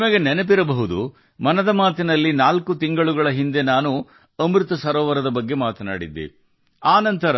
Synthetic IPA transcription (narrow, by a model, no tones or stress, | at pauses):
mɐɡenɛnepiɾɐbɐɦud̪ṵ | mɐnɐd̪ɐmaːt̪inɐlːinaːlkut̪iŋɡɐɭuɡɐɭɐɦind̪e̞naːnu | ɐmɾɯt̪ɐsɐɾɔːʋɐɾɐd̪ɐbɐɡːe̞maːt̪ɐna̰ːɽḭd̪ːḭ | aːnɐnt̪ɐɾɐ